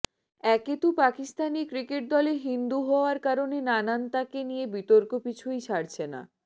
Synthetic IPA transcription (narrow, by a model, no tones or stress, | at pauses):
ɛket̪upakist̪anikɾikeʈ̚d̪ɔleɦind̪uɦɔoaɾkaɾonenanant̪akenijebit̪oɾkopit͡ɕʰujt͡ɕʰaɾt͡ɕʰena̰